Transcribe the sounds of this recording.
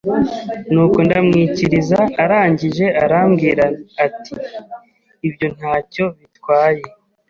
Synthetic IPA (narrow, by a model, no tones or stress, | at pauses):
nuːko̞ndamŋiːciɾizaːɾaːɲɟiʒe̞aɾaːmɡiːɾaːtʰiː | bjo̞n̥haːco̞βitwaːje̞